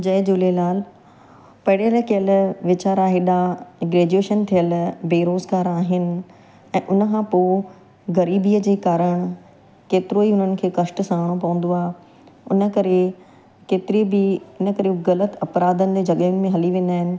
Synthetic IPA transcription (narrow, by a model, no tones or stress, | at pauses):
d͡ʑɐːɪd͡ʑʊlelaːl | pɐɪɽeɾəkɪjəlʋɪt͡ɕaːɾaɦɪɗaɡɾeːd͡ʑueːʃənt̪ʰijəlbeːɾoːzɡaːɾaːɦɪnɪ̆ | ɛ̃ːʔʊnəkʰãːpoː | ɣɐɾiːbiːəd͡ʑeːkaːɾəɽ̃ | keːt̪ɪɾoiʊn̤ənɪ̆kʰeːkɐʃʈsãːɽ̃õpɐʋə̃n̆d̪oaːe | ʊnə̆kɐɾe | keːt̪ɪɾibɪɪnə̆kɐɾeɣɐlət̪ɐpɾaːd̪ənɪ̆d͡ʑeːd͡ʑɐɠəjʊnɪ̆mẽɦɐliʋẽn̆d̪aːɦɪnɪ̆